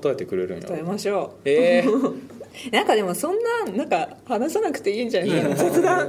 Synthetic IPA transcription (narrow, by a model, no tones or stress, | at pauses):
ot̪aet̪ekɯ̟ɾeɾɯ̰nt̪aemaɕo̞ːe | nãŋkad̪e̞mo̞sõ̞nːãnãŋkahanasanakɯ̟̥t̪e̞iːɲd͡ʑanakasot͡sɨd̪ã